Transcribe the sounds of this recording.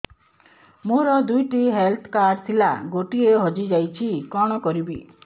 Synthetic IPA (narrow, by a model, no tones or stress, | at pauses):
moɾɔd̪ujʈiɦelt̪ʰkaɾt̪ʰila̰ɡoʈieɦɔd͡ʒid͡ʒajt͡ʃʰikɔɽ̃ɔkɔɾibi